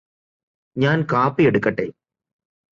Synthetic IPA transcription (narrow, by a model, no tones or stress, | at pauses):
ɲaːnkaːpːieɽɯkːɐʈːeː